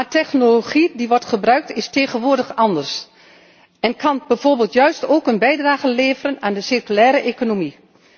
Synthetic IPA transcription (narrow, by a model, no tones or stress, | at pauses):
matɛxnoloχidiʋɔrtχəbrœɥk̚tʰɪsteːɣənʋʊːrdəxɑndərs | ɛnkʰɑnbɛv̥oːrbeːlˠtjœɥstoːkənbɛjdraːɣənleːvərənaːndəsirkylɛːɾəʔekonomi